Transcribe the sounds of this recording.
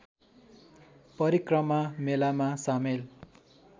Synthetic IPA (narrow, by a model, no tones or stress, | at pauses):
pʌɾikrʌmamelamasamel